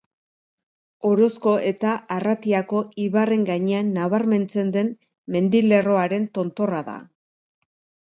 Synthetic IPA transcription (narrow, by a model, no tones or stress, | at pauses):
o̞ɾo̞sko̞ʔe̞t̪aʔarat̪iako̞iβare̞ŋɡaɲe̞anːaβaɾme̞nt͡se̞nd̪e̞n | me̞nd̪ile̞ro̞aɾe̞nt̪o̞nt̪o̞raða̰